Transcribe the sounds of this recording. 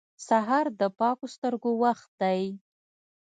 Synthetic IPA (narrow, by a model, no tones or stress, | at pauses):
saɦɑɾd̪əpɑkost̪əɾɡowaxt̪̚d̪aj